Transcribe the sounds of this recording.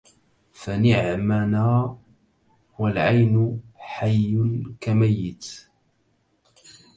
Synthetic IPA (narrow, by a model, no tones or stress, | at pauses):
fanɪʕmanaː | hʊwalʕajnʊħajːʊnkamajːɪt̪